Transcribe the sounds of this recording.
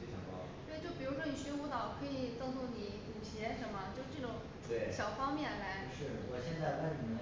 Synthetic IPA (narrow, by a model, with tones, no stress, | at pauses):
fe˥˩t͡ɕʰjɑ̰˧˥ŋkɑ̰˥˩ | t̪we˥˧ɪt͡ɕjo˥˩ʊpi˨˩ɻu˧˥ʂ̬wɔ˥ni˨˩ɕɛ˥nu˥˧t̪ɑ˥˨˩ʊkʰɤ˧˥i˨˩t͡sɤ˥ŋt̪ʰo˥˩ŋni˧˥ku˨˩ɕʰɛ˧˥ʂə˧˥nmɐ˧t͡ɕjo˥˧ʂʈ͡ʂɤ˥˩ʈ͡ʂʊ˧˥ŋ | t̪we˥˩ɕjɑ˨˩ʊfɑ˥ŋmjɛ˥˩nla˧˥ɪʂɻ̩˥˩wɔ˨˩ɕjɛ˥˧nt͡sa˥˧ɪwə˥˩nni˨˩ə˦